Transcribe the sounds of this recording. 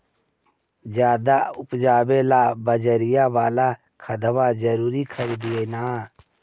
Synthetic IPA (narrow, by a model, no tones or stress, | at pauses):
d͡ʒjaːd̪aːʊpd͡ʒaːbelaːbəd͡ʒəɾɪjaʋaːla | kʰəd̪əbad͡ʒəɾuːɾikʰəɾiːd̪ieːnaː